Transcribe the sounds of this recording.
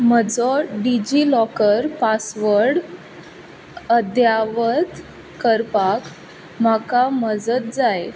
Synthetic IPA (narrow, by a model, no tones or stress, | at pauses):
məd͡zɔɖid͡ʑilɔkəɾpasʋəɾɽ | əd̪jaʋət̪ | kəɾpak | m̤akaməd͡zət̪̚d͡zaj